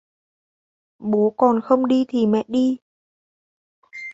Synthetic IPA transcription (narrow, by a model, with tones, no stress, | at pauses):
ɓo˨˦kɔ˨˩nxə˧wŋ͡mɗi˧t̪ʰi˨˩mɛ̰˧˨ɗi˧